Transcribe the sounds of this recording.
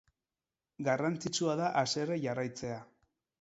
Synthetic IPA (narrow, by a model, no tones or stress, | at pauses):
ɡarant͡sit͡suaðaʔase̞reʝarajt͡se̞a